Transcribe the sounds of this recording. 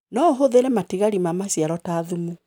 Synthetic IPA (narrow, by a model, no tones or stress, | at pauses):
nɔɦoðeɾɛmatiɣaɾimamasiaɾɔtaːðumu